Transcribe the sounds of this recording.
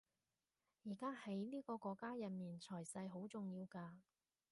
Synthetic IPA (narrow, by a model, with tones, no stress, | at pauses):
jiː˨˩kaː˥hɐ˨˥jliː˥kɔː˧kɔː˧kːaː˥jɐ˨n̚miː˨˩nt͡sʰɔː˨˩jsɐ˧jɦo˨˥wt͡sʊ˨ŋjiː˧wkaː˧